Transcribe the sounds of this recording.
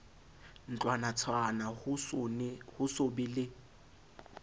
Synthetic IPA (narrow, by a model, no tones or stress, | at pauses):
n̩t͡ɬʼwanat͡sʰwana | hʊsobilɪ